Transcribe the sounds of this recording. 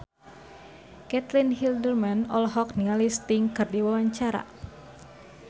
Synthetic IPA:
kɛt̪linhildərmanɔlɦɔk̚niŋalist̪iŋkɨrdiwawaɲt͡ʃaɾa̰

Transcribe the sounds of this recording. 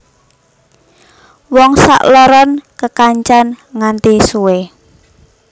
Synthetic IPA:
wɔŋsa̰ʔlɔɾɔnkəkaɲt͡ʃanŋant̪isuwe

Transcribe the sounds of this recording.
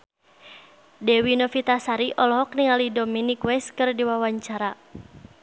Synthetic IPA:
dɛwinɔfit̪asaɾiʔɔlɔɦɔk̚niŋalidominikwɛskɨrdiwawaɲt͡ʃaɾa

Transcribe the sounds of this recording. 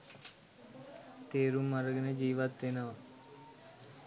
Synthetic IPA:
t̪eːɾuməɾɡned͡ʒiːʋat̪ːena

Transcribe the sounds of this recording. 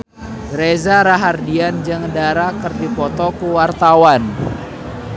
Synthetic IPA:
ɡɾezaɾaɦardiand͡ʒɨŋdaɾakərdipɔt̪ɔkuwart̪awan

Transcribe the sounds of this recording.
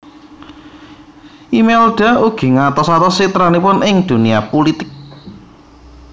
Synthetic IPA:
ʔimɛlɖ̥a̤uɡ̥i̤ŋat̪ɔsat̪ɔsit̪ɾanipʊnʔɪŋd̪̥ṳniapulit̪ɪk̚

